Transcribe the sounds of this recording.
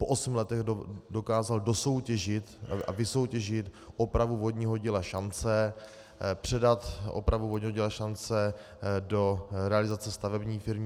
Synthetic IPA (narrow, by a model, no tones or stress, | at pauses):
poʔosm̩lɛt̪ɛɣdo̞kaːzaldo̞so̞wcɛʒɪt̪a̰vɪso̞wcɛʒɪt̪ | ʔopɾavuvodɲɪɦoɟɪlaʃant͡sɛ | pr̝̥ɛdat̪o̰pɾavuvodɲɪɦoɟilaʃant͡sɛ | do̞ɾɛalɪzat͡sɛst̪avɛbɲiːfɪɾmɲɪ